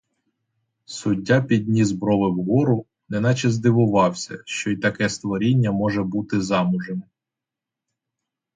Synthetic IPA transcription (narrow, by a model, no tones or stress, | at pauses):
sʊdʲːapʲid̪ʲnʲizbɾɔʋɪwɦɔɾʊ | nɛnɑt͡ʃɛzd̪ɪʋʊʋɑwsʲɐ̰ʃt͡ʃɔit̪ɐkɛst̪ʋɔɾʲinʲːɐmɔʒɛbut̪ɪzɑmʊʒem